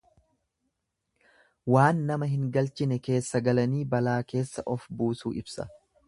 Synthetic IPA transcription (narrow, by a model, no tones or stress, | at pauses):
waːnːɐmɐɦɪŋɡɐlt͡ʃɪnɛke̞ːsːɐɡɐlɐniːbɐlaːke̞ːsːɐʔɔfbuːsṵːʔɪbsɐ̰